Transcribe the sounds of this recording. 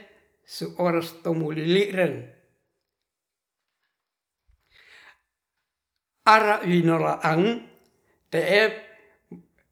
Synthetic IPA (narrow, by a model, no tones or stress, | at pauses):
suʔoɾast̪omuliliʔɾəŋ | aɾaʔwinolaʔaŋ | t̪ɛʔɛ